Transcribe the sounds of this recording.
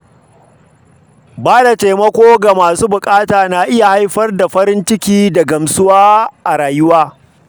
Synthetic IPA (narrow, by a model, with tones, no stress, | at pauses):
baː˦da˨teː˨mɐ˦kʷoː˦ɡa˨maː˨suː˦bʊ˨kʼaː˦taː˨na˨ʔɪ˦ja˨ha˦jɸɐ˦rda˨ɸɐ˦ɾɪ˦nt͡ʃɪ˦kʲiː˦da˨ɡɐ˨msʊ˦waː˦ʔa˨ɾaː˨jʊ˦waː˦